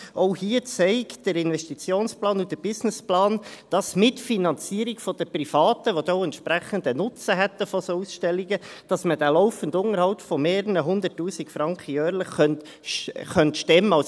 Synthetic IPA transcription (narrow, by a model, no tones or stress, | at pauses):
ɔʊhiːət͡sɛɪkd̥əɾɪnvɛʃtit͡sjoːnsplɑːnʊdəb̥ɪsnɪsplɑːnd̥ɑsmɪtfinɑnt͡siːəɾiɡfɔd̥əprifɑːtəʋodoɛntʃpɾæχəndənʊt͡səɦɛt̪ːəfɔsousʃtɛlːiɡəd̥ɑsməd̥ælɔʊfəndʊŋəɾhɑʊpfɔmeːɾəɾəɦʊnd̪ətːuːsikfɾɑŋkχəjœːɾləχːœnt | χœntʃtɛmːəɑs